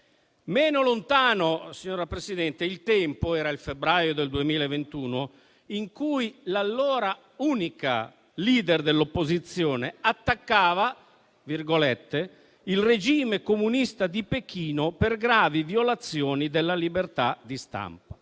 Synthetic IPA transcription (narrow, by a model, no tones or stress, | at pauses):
mɛːnolont̪aːnosiɲːoːɾapɾesid̪ɛnt̪eilt̪ɛmpoɛːɾailfebɾaːjod̪eld̪uemiːlaevent̪uːno | iŋkujlalːɔːɾa | uːnika̰ | liːd̪erd̪elːopːozit̪sːjɔːneat̪ːakːaːva | virɡolɛt̪ːe | ilred͡ʒiːmekomunist̪ad̪ipekiːnoperɡɾaːvivjolat̪sːjɔːnid̪elːalibert̪ad̪ist̪a̰mpa